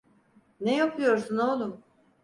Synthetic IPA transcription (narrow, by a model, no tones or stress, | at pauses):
nejapʰɯjo̞ɾsunolˠum